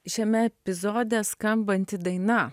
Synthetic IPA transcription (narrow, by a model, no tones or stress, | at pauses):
ʃʲɛmʲɛɛpʲɪzoːd̪ʲɛskɐmbɐnʲt̪ʲɪd̪ɐɪnɐ